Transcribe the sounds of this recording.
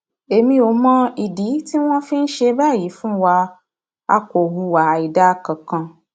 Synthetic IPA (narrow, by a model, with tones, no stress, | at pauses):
e˨mĩ˧o˨˦mã˧˦i˨di˨˦ti˦w̃ɔ̃˦fĩ˦n̩˦ʃe˧ba˦˨ji˨˦fũ˦wa˧ | a̰˧ko˨wu˧wa˨i˨da˦kã˨kã˧